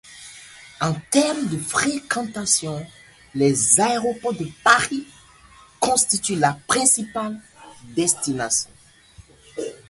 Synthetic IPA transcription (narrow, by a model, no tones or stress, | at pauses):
ɑ̃t̪ɛʁmd̪əfχekɑ̃t̪asjɔ̃ | lɛzaeʁopɔʁd̪əpaʁi | kɔ̃st̪it̪ylapχɛ̃sipald̪ɛst̪inasjɔ̰̃